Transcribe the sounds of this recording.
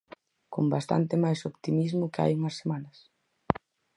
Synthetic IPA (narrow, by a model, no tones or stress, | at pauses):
kombast̪a̰nt̪ɪmajsopt̪imizmʊkea̰juŋɐsːemanɐs